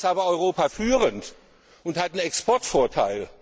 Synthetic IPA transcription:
saːbɐɔʏʁoːpafyːʁənt | ʊnthatn̩ɛkspʰɔɐtfoːɐtʰa̰ɪl

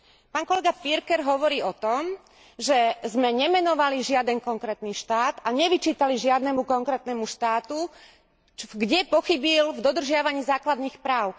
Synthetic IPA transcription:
paːnkɔlɛɡapiɾkɛɾɦɔʋɔɾiːɔt̪ɔm | ʒɛzmɛɲɛmɛnɔʋaliʒɪad̪ɛnkɔŋkɾɛːt̪niːʃt̪aːt̪aɲɛʋit͡ʃiːt̪aliʒɪad̪nɛmukɔŋkɾɛːt̪nɛmuʃt̪aːt̪u | ɡɟɛpɔxibilvd̪ɔd̪r̩ʒɪaʋaɲiːzaːklad̪niːxpɾaːʊ

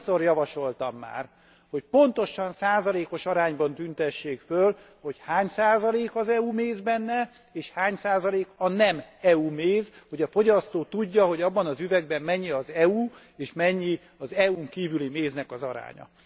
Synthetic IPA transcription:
sorjɒvɒʃo̞lt̪ɒmːa̰ːr | ho̞cpo̞nt̪o̞ʃɒnsaːzɒleːko̞ʃɒɾaːɲbɒnt̪ynt̪ɛʃːeːkføl | ho̞chaːɲsaːzɒleːkɒzɛumeːzbɛnːɛ | eːʃhaːɲsaːzɒleːkɒnɛmɛumeːzho̞ɟɒfo̞ɟɒst̪oːt̪uɟːɒɦo̞ɟɒbːɒnɒzyvɛɡ̚bɛmːɛɲːiɒzɛu | eːʃmɛɲːi | ɒzɛuŋkiːvylimeːznɛkɒzɒɾa̰ːɲɒ̰

